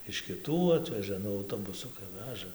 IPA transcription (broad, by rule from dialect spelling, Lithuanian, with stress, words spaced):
ɪʃ kʲɪˈtuː ˈɑːtʲʋʲɛʒɐ ˈnʊ ɐʊˈtoːbʊsʊkɐɪ ˈʋʲæːʒɐ